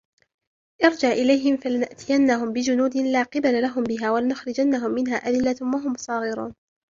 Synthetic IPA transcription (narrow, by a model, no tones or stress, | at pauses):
ʔɪɾˤd͡ʒaʕʔɪlajɦɪmfalɪnaʔt̪ʰɪjanːaɦʊmbɪd͡ʒʊnuːd̪ɪlaːqɑbalalaɦʊmbɪɦaːwalanʊxɾɪd͡ʒanːaɦʊmːɪnɦaːʔad̪ɪlːawaɦʊmsˤɑːɣɪɾṵːn